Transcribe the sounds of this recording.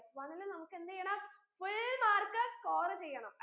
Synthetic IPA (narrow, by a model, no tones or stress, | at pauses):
sʋɐnilɨnɐmukːɨend̪ɐjːɐɳaː | fuɭmaːrkɐskoːɾɐt͡ɕejːɐɳɐm